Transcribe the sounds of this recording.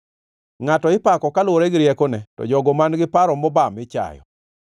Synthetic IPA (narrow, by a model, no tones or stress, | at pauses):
ŋatɔɪpakɔkalwoɾɛɡɾjɛkonɛtɔ̰d͡ʒɔɡɔmanɡɪpaɾɔmɔbamɪt͡ʃa̰jɔ̰